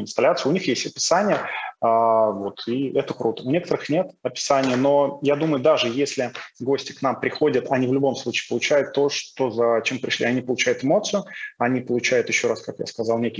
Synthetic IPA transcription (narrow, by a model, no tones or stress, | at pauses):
ɪnst̪ɐlʲat̪sɨəʊnʲixjesʲtʲəpʲɪ̥sanʲɪjəavo̞t̪ʰiɛt̪əkɾʔut̪əʊnʲe̞kət̪əɾɨxnʲe̞t̪ɐpʲɪ̥sanʲɪjəno̞jad̪uməjʊd̪aʐɨjesʲlʲɪɡo̞sʲtʲɪ̥knampɾʲɪxo̞dʲət̪ʰɐnʲivlʲʊbo̞mslˠut͡ɕi̥ːpəlˠʊt͡ɕæjʊt̪ːo̞ʂt̪o̞zɐt͡ɕempɾʲɪʂlʲiɐnʲipəlˠʊt͡ɕæjʊt̪ɨmo̞t̪sɨjʊɐnʲipəlˠʊt͡ɕæjʊt̪jɪɕːo̞ɾaskakja̰skɐzɑlˠnʲekʲɪ